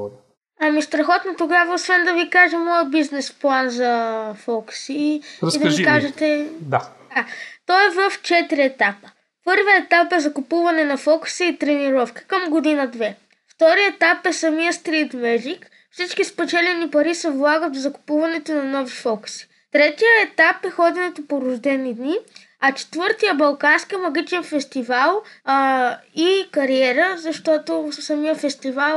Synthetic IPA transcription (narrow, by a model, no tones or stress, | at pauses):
ɐmist̪ɾɐxɔt̪not̪oɡavɐosvɛnd̪ɐvikaʒɛmɔjəbiznɛsplˠanzɐfɔku̥siid̪ɐvikaʒɛt̪ɛd̪ad̪at̪ɔɛvəft͡ʃɛt̪iɾiɛt̪apə̥ | pɤɾvəɛt̪apɛzɐkʊpuvɐnɛnɐfɔku̥səit̪ɾɛniɾɔfki̥kəmɡod̪inəd̪vɛ | ft̪ɔɾiɛt̪apɛsɐmijəst̪ɾit̪mɛʒik | fsit͡ʃkispɛt͡ʃɛlɛnipɐɾisɐvlˠaɡət̪vzɐkʊ̥puvɐnɛt̪onɐnɔvifɔku̥si̥ | t̪ɾɛt̪ijəɛt̪apɛxɔd̪ɛnɛt̪opoɾʊʒd̪ɛnid̪ni | ɐt͡ʃɛ̥t̪vɤɾt̪ijəbɐlˠkansk̟ijəmɐɡ̟it͡ʃɛnfɛst̪ivalˠ | ikɐɾiɛɾəzɐʃt̪ɔt̪osɐmijəfɛst̪ivalˠ